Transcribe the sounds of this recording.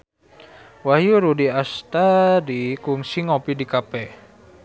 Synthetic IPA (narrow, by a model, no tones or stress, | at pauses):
wahjuɾudiast̪aɾikuŋsiŋɔpidikapɛ